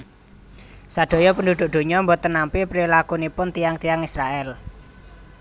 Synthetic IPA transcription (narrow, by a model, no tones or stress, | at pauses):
saɖ̪̥o̤jɔpənd̪ud̪̥ʊ̤ʔd̪̥o̤ɲɔmbɔt̪ːənampipɾilakunipʊnt̪ijaŋt̪ijaŋisɾaʔɛl